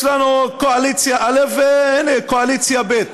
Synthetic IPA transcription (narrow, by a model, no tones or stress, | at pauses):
lanukoalit͡sjaʔalefveenekoalit͡sjabet̪